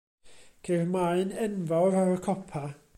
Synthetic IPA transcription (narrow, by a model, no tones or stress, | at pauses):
kʰermaɨnɛnvɔwɾaɾəkʰɔpʰa